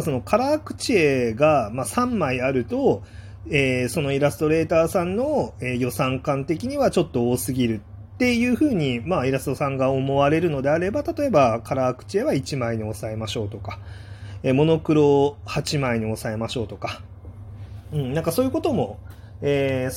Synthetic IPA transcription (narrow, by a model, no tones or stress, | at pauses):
so̞no̞kʰaɾaːkɯ̟̥t͡ɕieɡamasãmːaiaɾɯ̟t̪o̞ | eːso̞no̞iɾasɨ̥t̪o̞ɾe̞ːt̪aːsãnnːo̞eːjo̞sãŋkãnt̪e̞kʲiɲ̟iβat͡ɕo̞t̪ːo̞oːsɨɡʲiɾɯ̟t̪ːe̞jɯ̟ːɸɯ̟ːɲ̟imaiɾasɨ̥t̪o̞sãŋɡaomo̞βaɾe̞ɾɯ̟no̞d̪e̞aɾe̞bat̪at̪o̞e̞bakaɾaːkɯ̟̥t͡ɕie̞βait͡ɕimaiɲ̟io̞sae̞maɕo̞ːt̪o̞kḁeːmo̞no̞kɯ̟ɾo̞hat͡ɕimaiɲ̟io̞sae̞maɕo̞ːt̪o̞ka | ɯ̟̃ɴnãŋkasoːjɯ̟ko̞t̪o̞mo̞ | eː